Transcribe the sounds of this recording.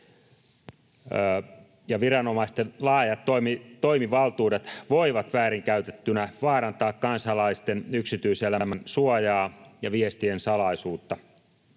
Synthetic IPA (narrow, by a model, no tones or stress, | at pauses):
jɑʋirɑnomɑist̪enlɑːjɑt̪ːomit̪oimiʋɑlt̪uːdet̪ʋoiʋɑt̪ʋæːɾiŋkæyt̪et̪ːynæʋɑːɾɑnt̪ɑːkkɑnsɑlɑist̪enyksit̪yiselæmænsuojɑːjɑʋiest̪iensɑlɑisuːt̪ːɑ